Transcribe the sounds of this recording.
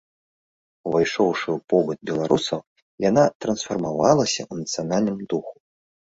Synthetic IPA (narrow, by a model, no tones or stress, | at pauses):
uvajʂɔwʂɨupɔbɐt̪̚bʲɛlˠaɾusɐw | janat̪ɾɐnsfɐrmavalˠɐsʲɐ̰ʔunɐt̪sɨjanalʲnɨmd̪uxu̥